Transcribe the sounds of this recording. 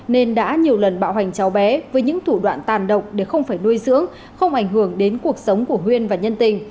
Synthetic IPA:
ne˧nɗa̰ː˧˥ɲi˨˩əwlə˨˩nɓa̰ː˧˨wha˨˩ŋ̟t͡ɕa˨˦wɓɛ˨˦vəː˨˦jɲɨ̰˧˥ŋt̪ʰu˧˩ɗwa̰ː˧˨nt̪aː˨˩nɗə˨˩wk͡p̚ɗe˧˩xə˧wŋ͡mfaː˧˩jnu˧jzɨ̰˧˥əŋ | xə˧wŋ͡mʔa˧˩jŋ̟ɦɨ˧˩əŋɗe˨˦nku˨˩ək̚sə˨˦wŋ͡mku˧˩əɦwi˧ənvaː˨˩ɲə˧nt̪ï˨˩ŋ̟

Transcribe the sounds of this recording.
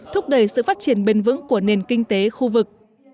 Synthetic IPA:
t̪ʰʊ˦˥k͡p̚ɗə˨˩jsɨ̰˧˨faː˦˥t̚t͡ɕi˧˩ənɓe˧nvɨ̰˧˥ŋku˧˩əne˨˩nkï˧ŋ̟t̪e˨˦xu˧vɨ˨˩k̚

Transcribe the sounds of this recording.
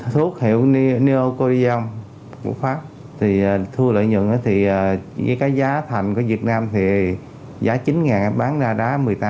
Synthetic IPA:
t̪ʰu˦˥ək̚hḭ˧˨əwni˧ʔo˧ko˧zi˧ɔ˧wŋ͡m | kṵ˧˩əfaː˦˥p̚ | t̪ʰi˨˩aː˨˩t̪ʰɨ˧ələ̰ː˧˨ɲɨ̰˧˨ŋʔaː˨˦t̪ʰi˨˩a˨˩ə˨˦jkaː˨˦jzaː˨˦t̪ʰa˨˩jŋ̟ku˧˩əvi˨˩ət̚naː˧mt̪ʰi˨˩ | zaː˨˦t͡ɕi˨˦nŋaː˨˩ŋa˨˦ɓaː˨˦ŋzaː˧ɗaː˨˦mɨ˨˩əjt̪aː˦

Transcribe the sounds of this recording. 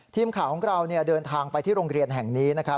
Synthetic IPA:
t̪ʰiː˧mkʰaː˩˦wkʰɔ˩˦ŋɾa˧wni˥˩ɐdɤː˧nt̪ʰaː˧ŋpa˧jt̪ʰiː˥˩ɾoː˧ŋɾi˧ənɦɛ˨˩ŋniː˦˥na˦˥kʰɾa˦˥

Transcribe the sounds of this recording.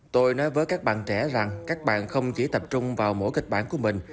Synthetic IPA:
t̪o˧jnɔ˨˦jvəː˨˦jkaː˦˥k̚ɓa̰ː˧˨nt͡ɕɛ˧˩za˨˩ŋkaː˦˥k̚ɓa̰ː˧˨nxə˧wŋ͡mt͡ɕi˧˩˦t̪ə˨˩p̚t͡ɕʊ˧ŋ͡mvaː˨˩wmo̰˧˥jkï˨˩k̚ɓaː˧˩nku˧˩əmï˨˩ŋ̟

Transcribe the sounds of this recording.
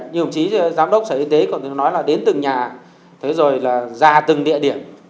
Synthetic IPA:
ɲ˧˩˨hŋ͡mt͡ɕi˨˦˧zaː˨˦mɗə˦˥wk͡p̚səː˧˩ʔi˧˩t̪e˨˦kɔ˨˩nt̪ʰnɔ˨˦jlaː˨˩ɗe˨˦nt̪ɨ˨˩ŋɲaː˨˩ | t̪ʰe˨˦zo˨˩jlaː˨˩zaː˨˩t̪ɨ˨˩ŋɗḭ˧˨əɗi˧˩ən

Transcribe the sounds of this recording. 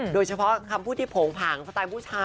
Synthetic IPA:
doː˧jt͡ɕʰa˧pʰɔ˦˥kʰa˧mpʰuː˥˩iː˥˩pʰoː˩˦ŋpʰaː˩˦ŋsa˧t̪aː˧mpʰuː˥˩t͡ɕʰaː˧

